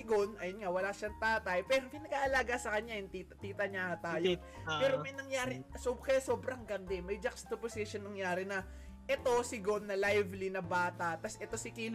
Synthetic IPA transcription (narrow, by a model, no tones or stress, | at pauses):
ɪɡonʔɐjonŋawɐlaʃɐŋt̪aːt̪ɐjpɛːɾopɪnɐɡaʔɐlaːɡasɐkɐɲajʊŋt̪it̪ɐt̪iːt̪ɐɲahɐt̪aːjo | pɛːɾomɐjnɐŋjaːɾɪsobkɐjaso̞ːbɾɐŋɡɐnd̪ɛmɐjd͡ʒɐkst̪oposɪʃonːɐŋjaːɾɪnɐ | ʔɛt̪o̞sɪɡo̞nːɐlajvlinɐbaːt̪ɐʔt̪ɐsʔɛt̪o̞sɪkiːl